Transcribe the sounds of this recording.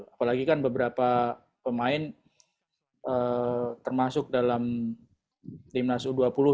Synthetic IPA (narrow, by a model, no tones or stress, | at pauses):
apalaɡikanbəbəɾapa | pəmaɪn | ʔət̪ərmasʊk̚dalam | t̪imnasuduapulʊ